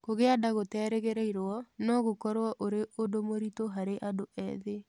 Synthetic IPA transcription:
koɣeadaɣotɛːɾeɣeɾeiɾɔnɔɣokɔɾwɔʔoɾeodomoɾitoɦaɾeʔadoʔɛ̰ðe

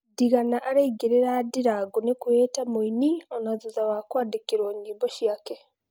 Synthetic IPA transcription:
diɣanaʔaɾaiɡiɾeɾadiɾaɡonekuwetamuinionazuzawakwaːdikiɾwoɲɡiːboʃijake

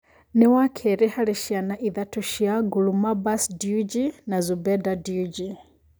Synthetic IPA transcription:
nɛwakʰɛɾɛhaɺiʃianaʔiðatuʃiaɡulumabasdiud͡ʒinazubɛdadiud͡ʒi

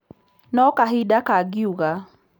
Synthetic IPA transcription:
nɔkaɦidakaɡɪuɣa

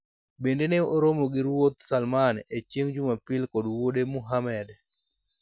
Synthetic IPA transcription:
bendeneoɾomoɡɪɾwot̪salmanet͡ʃjeŋd͡ʒumapɪlkɔdwodemuɦamɛd

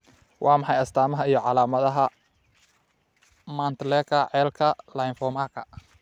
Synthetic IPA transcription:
wʔɑːmɑħɑjɐst̪ʰaːmɐɦɐijɞʕɑlaːmɐðɐɦɐ | mant̪lɛːkʰɐʕɛːlkʰɐlɐjnfɔmaːkʰɐ̰

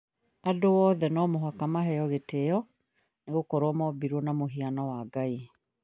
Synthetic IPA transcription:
adoɔːðɛnɔmoɦakamaɦɛjɔɣeteɔ | neɣokɔɾwɔmɔbiɾwɔnamoɦianɔwaɡai

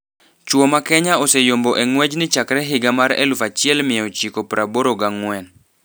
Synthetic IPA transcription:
t͡ʃwomakɛɲaosejomboʔɛŋwɛd͡ʒnɪt͡ʃakɾɛɦɪɡamaɾɛ̰lʊfat͡ʃɪɛlmɪɔt͡ʃikopɾaboɾoɡaŋwɛn

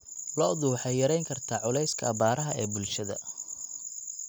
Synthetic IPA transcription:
lɔːd̪uːħɛjjɐɾɛjŋkʰɐrt̪ʰaːʕʊlɛjskʰɐ̰ːbaːɾɐɦɐɛːbʊlʃɐðɐ̰

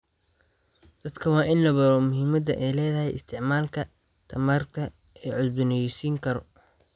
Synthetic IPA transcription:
d̪̥ɐd̪kʰɐwɑːʔɪnlɐβɐɾɔːmʊɦɪmɐd̪ɐʔɛjlɛːðɐɦɛjʔɪ̰st̪ʰɪʕmaːlkʰɐ | t̪ʰɐmaːrk̪ʰɐ | ɛːʕʊd̪bʊnɛjsiːŋkʰɐɾɔ̰

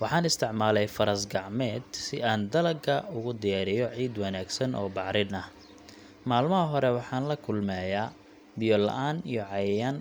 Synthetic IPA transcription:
wɑħɑːnɪst̪ʰɪʕmaːlɛjfɐɾɐsɡɑʕmɛːd̪sɪaːnd̪ɐlɐɡɐʊɣʊd̪ɪjaːɾɪjɔʕiːd̪wɑnaːɡsɐnʔɔ̰ːbɑʕɾɪnɐh | maːlmɐɦɐɦɔɾɛwɑħɑːnlɐkʰʊlmɛːjaː | bɪjɔlɐ̰ʔaːnijɔʕɑjjaːn

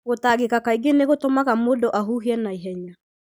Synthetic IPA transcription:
ɣotaɣekakaiɡeneɣotomaɣamoːdoʔaɦuːɦiɛnaiɦɛɲa

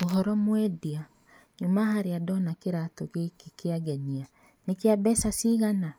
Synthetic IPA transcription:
oɦɔɾɔmwɛdia | ɲumahaɾeadɔnakeɾatɔɣekekeaɣɛɲia | nekeabɛsasiɣana

